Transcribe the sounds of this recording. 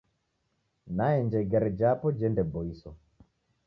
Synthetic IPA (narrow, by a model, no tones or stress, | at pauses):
naɛnd͡ʒɛɡaɾɛd͡ʒapɔd͡ʒɛndɛbɔisɔ